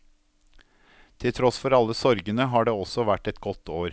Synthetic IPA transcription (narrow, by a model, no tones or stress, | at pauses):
t̪ʰɪlt̪ʰɾɔsfɔɾɑlːəsɔɾɡənəɦɑːɖeːɔsɔʋæʈːɛt̪ɡɔt̪oːɾ